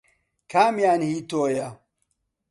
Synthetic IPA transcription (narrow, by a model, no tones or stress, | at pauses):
kamijanhitoːja